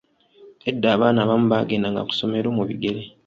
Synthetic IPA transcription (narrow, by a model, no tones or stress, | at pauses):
edːaːβaːnaːβamuβaɡe̞ndaŋɡa̰ku̥so̞me̞ɾo̞ːmuβḭɡe̞ɾe